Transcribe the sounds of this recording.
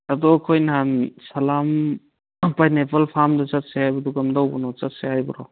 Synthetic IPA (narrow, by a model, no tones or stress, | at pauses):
ɐdɔɐkʰojnɦansɐlam | pajnepalpʰamdɐt͡ʃɐt̚sehajbɐduɡamdawbɔnɔt͡ʃɐt̚sehajbɐɾɔ̰